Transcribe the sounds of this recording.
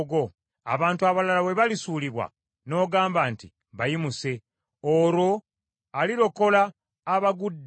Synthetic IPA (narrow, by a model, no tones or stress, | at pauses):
ɡo̞ | a̰βaːntuaβalalawe̞βalisuːliβwa̰ | no̞ːɡaːmbaːnti | βajimuse̞ | oɾo̞ | aliɾo̞ko̞laː | βaɡudː